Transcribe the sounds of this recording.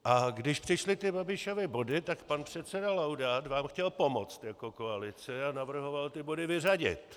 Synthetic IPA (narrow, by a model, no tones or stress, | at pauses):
ʔaɡdɪʃpr̥ɪʃlɪt̪ɪbabɪʃovɪbo̞dɪt̪akpanpr̝̥ɛt̪t͡sɛdalawdaːt̪vaːmxcɛlpo̞mot͡st̪jako̞ko̞alɪt͡sɪanavr̩ɦo̞valt̪ɪbo̞dɪvɪraɟɪ̰t̪